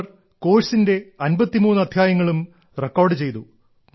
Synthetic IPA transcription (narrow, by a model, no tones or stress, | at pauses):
r | ko̞ːɻsinde̞ɐnbɐt̪ːimuːnːuɐd̪ʱjaːjɐŋːɐɭum | rekːoːrɖɨt͡ɕe̞jt̪u